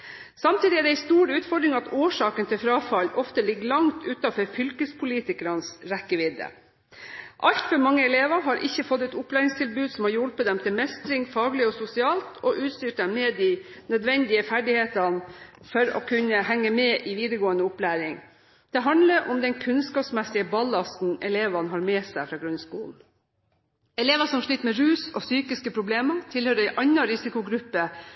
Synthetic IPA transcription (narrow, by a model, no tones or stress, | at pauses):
sɑmt̪ʰiːd̪ɪæɖɛæɪst̪uːɾʉːt̪fɔɖɾɪŋɑt̪oːʂɑːkənt̪ʰɪlfɾɑːfɑlːɔft̪əlɪɡːəlɑŋt̪ʰʉːt̪ɑfɔɾfʏlkəspʰʊliːt̪ɪkəɾɑnsɾɛkːəʋɪd̪ə̰ | ʔɑʎt̪fɔɾmɑŋːəɛleːʋəɾɦɑɾʔɪçːəfɔt̪ːɛt̪ʊplæːɾɪŋst̪ʰɪlbʉːd̪sɔmhɑɾjɔlpət̪̚d̪ɛmt̪ʰɪlmɛst̪ɾɪŋfɑːɡlɪɔsʊsɪɑːlt̪ʰɔʔʉːt̪st̪yːʈd̪ɛmmɛːd̪ɪ | nœd̪ʋɛnd̪ɪəfæɖɪheːt̪ɑn | fɔɾɔ̰kʰʉnəhæŋːəmɛʔɪʋiːd̪əɡoːənəʊplæːɾɪŋ | d̪̥ɛɦɑnd̪ləɾʔʊmd̪ɛnkʰʉnskɑːpsmɛsɪəbɑlɑsn̩ɛleːʋɑnɦɑɾmɛːsæɪfɾɑːɡɾʉnskṵːln̩ | ɛleːʋɑsɔmʂɭiːt̪mɛɾʉːsɔsyːkɪskəpʰɾʊbleːmɑt̪ʰɪlhøːɾɪʔɑɲːɑɾɪsɪkʊɡɾʉpːə